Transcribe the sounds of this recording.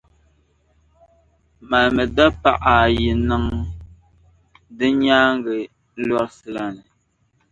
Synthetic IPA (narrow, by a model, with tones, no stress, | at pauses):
ma˨lmɛ˨da˦pa̰˦ʔa˨ji˨nɨ˦ŋ | dɨ˦ɲaː˦ŋ˦ɡɛ˨˦ | lɔ˦ɾsɨ˨la˨nɨ˨